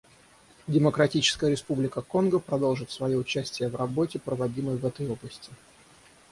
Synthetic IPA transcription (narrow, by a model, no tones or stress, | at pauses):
dʲɪməkɾɐtʲit͡ɕɪ̥skəjəɾʲɪspublʲɪkəko̞nɡəpɾɐd̪o̞lˠʐɨt̪svɐjoʊt͡ɕæsʲtʲɪjəvrɐbo̞tʲɪpɾəvɐdʲiməjvɛt̪əjo̞blˠəsʲtʲɪ̥